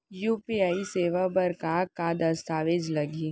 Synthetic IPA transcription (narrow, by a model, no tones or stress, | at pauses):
juːpiːaːiseːʋabɐɾkakad̪ɐst̪aːʋed͡ʒlɐɡiː